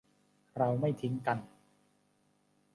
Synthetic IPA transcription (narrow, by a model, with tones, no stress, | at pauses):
ɾa˧wma˥˩jt̪ʰi˦˥ŋka˧n